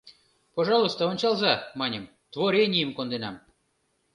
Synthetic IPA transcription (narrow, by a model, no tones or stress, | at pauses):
poʐɑlˠust̪əonʲt͡ɕɑlˠzɑmɑnʲəm | t̪voɾʲenʲijəmkond̪enɑm